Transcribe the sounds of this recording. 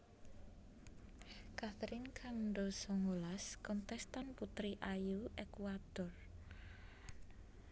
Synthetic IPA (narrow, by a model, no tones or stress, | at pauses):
kat̪ɾɪnkʰanɳɖosɔŋolaskɔnt̪ɛst̪anput̪ɾiʔajuʔekwad̪̥ɔr